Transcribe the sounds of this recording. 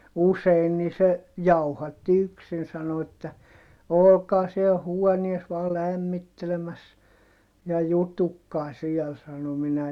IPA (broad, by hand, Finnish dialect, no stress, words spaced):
usein niː se jɑuhɑtːi yksin sɑno etːæ olokɑː siel huonies ʋɑː læmːitːelemæs jɑ jutukːɑː siɛl sɑno minæ